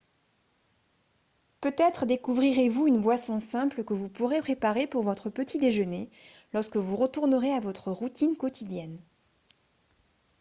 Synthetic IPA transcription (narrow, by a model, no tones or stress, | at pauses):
pøt̪ɛt̪χəd̪ekuvʁiʁevuynbwasɔ̃sɛ̃plkəvupuʁepχepaʁepuʁvɔt̪χəpət̪id̪eʒəne | lɔʁskəvuʁət̪uʁnəʁeavɔt̪χəʁut̪inkɔt̪id̪jɛn